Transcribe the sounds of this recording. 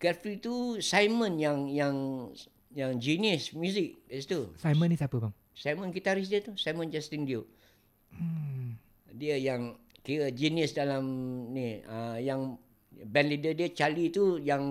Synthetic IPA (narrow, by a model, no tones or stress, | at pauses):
kɛfit̪usajmə̃njaŋjaŋ | jaŋd͡ʒinismjuzɪk̚st̪usajmə̃nisapəbaŋ | sajmə̃nɡit̪aɾis̬diət̪usajmə̃nd͡ʒɛst̪indio | diəjaŋkiəd͡ʒinisdalamniəjaŋ | bɛnlidədiət͡ʃalit̪ujaŋ